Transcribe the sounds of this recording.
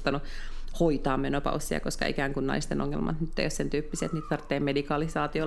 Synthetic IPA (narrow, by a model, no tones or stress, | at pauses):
t̪ɑnuhoit̪ɑːmmenopɑ̰usːiɑ̰koskɑ̰ikæːŋkunnɑ̰ist̪enʔo̰ŋːḛlmɑ̰t̪nyt̪ːḛijossent̪yːpːiset̪niːt̪t̪ɑrt̪ːeːmmedikɑlisɑːt̪io